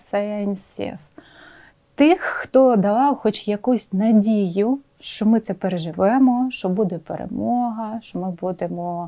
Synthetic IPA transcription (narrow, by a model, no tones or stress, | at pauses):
sɛɛnʲsʲḭf | t̪ɪxːt̪ɔd̪ɐʋɑwxɔt͡ʃjɐkusʲnɐdʲijʊ | ʃt͡ʃɔmɪt̪ɛpeɾeʒɪʋɛmɔʃt͡ʃɔbud̪ɛpḛɾḛmɔɦɐʃt͡ʃɔmɪbud̪emɔ